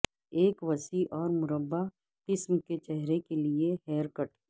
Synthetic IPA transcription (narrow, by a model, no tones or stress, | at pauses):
eːkʋɐsiʔɔːɾmʊɾəbːa | qɪsmket͡ʃɛɦɾekelieɦɛːɾkəʈ